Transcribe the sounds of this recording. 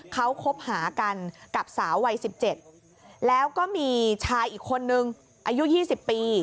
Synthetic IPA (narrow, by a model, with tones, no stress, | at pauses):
kʰa˦˥wkʰo˦˥p̚haː˩˦ka˧nka˨˩p̚saː˩˦wːa˧jsi˨˩p̚t͡ɕe˨˩t̪̚ | lɛː˦˥wkɔː˥˩miː˧t͡ɕʰaː˧jʔiː˨˩kʰːo˧nːɯ˨˧ŋ | ʔa˧ju˦˥ʔjiː˥˩si˨˩pːiː˧